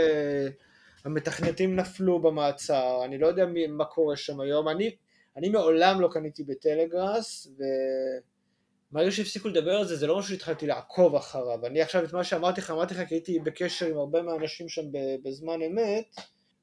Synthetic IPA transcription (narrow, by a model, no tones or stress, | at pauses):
hame̞t̪aχnet̪imnaflubemaːt͡saʁanilojod̪eamimakʰo̞ʁeʃamajo̞mani | animeo̞lamlo̞kanit̪ibet̪ele̞ɡʁasve̞ | maʁeɡaʃ̬eifsikule̞d̪abeʁalzezelo̞maʃuʃeitχalt̪ilaːkʰo̞vaχaʁavaniaχʃavet̪maʃeamaʁt̪iχaːmaʁt̪iχakiait̪ibe̞keʃe̞ʁimaʁbe̞meaːnaʃimʃambebezmane̞met̪